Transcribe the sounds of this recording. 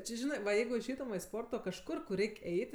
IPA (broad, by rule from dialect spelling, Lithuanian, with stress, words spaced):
ˈt͡ʃʲɪ ˈʒʲɪnɜ ʋɐ ˈjɛɪɡʊ ɪʃʲˈɛɪtʊm ʋɐ ɪ ˈspoːrtoː kɐʃˈkʊr kʊr ˈrʲɛɪkʲ ˈɛɪt